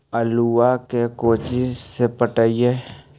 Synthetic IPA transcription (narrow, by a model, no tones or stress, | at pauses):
əluakekoːt͡ʃisepəʈəie